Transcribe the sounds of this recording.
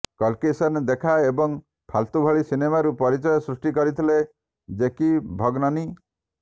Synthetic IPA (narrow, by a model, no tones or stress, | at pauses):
kɔlkesɔnd̪ekʰaebɔŋ | pʰalt̪ubʱɔɭisinemaɾupɔɾit͡ʃɔjɔsɾusʈikɔɾit̪ʰile | d͡ʒekibʱɔɡnɔni